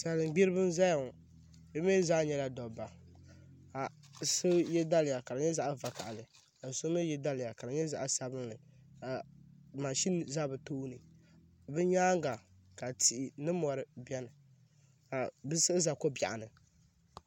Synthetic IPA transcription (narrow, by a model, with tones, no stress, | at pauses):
sa˨lɨ˨ɡ͡bi˦ɾɨ˦bɨ˦nza˦ja˨ŋ˨ | bɛ˦me˦zaː˦ɲɛ˦la˦dɔ˨ba˨ | a˨ | sɨ˦jɛ˦da˦lɪ˨ja˨ka˨ɾɨ˨ɲɛ˦za˦ʔa˦va˨ka˨a˨lɨ˨ | a˨so˦mɨ˦jɛ˦da˦lɪ˨ja˨ka˨ɾɨ˨ɲɛ˦za˨ʔa˦sa˦bɨ˦nlɨ˨a˨ma˨ʃi˦n˨za˦bɨ˨toː˦nɨ˨ | bɨ˦ɲaː˦ŋ˦ɡa˨ | ka˨ti˨ʔi˨nɨ˦mɔ˨ɾɨ˨bɛ˦nɨ˨ | a˨bɨ˦sɨ˦za˨ko˦ba̰˨ʔa̰˨nɨ˨